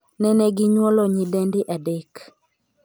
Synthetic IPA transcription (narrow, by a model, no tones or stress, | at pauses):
nɛnɛɡɪɲwɔlɔɲidɛndɪʔadɛk